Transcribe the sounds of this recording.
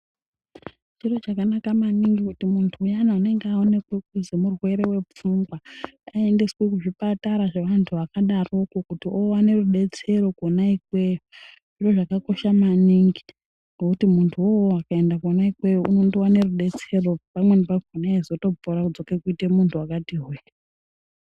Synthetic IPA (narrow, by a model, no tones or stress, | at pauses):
t͡ʃiro̞t͡ʃakanakamaniŋɡikutimuntʰuːjanaune̞ŋɡeaone̞kwek̚uzemurwe̞ɾe̞we̞p͡fuŋɡwaae̞ndeswek̬uʐipataɾaʐeʋantʰuʋakaɗaro̞kokutiʔowane̞ruɗe̞t͡se̞ɾo̞konaikwe̞ju | ʐ̥iro̞ʐakako̞ʃamaniŋɡi | ŋɡekutimuntʰuwowoakae̞ndakonaikwe̞juʔunondowane̞ruɗe̞t͡se̞ro̞pamwe̞nipakonaezo̞to̞poɾakud͡zo̞kekuitemuntʰuwakatiɦuja